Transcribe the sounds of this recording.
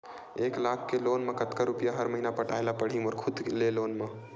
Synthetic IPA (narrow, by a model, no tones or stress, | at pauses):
eklakʰːelonmekət̪kəɾupjaɦəɾməɦinapəʈajlapəɽ̤imoɔɾkʰud̪lelonme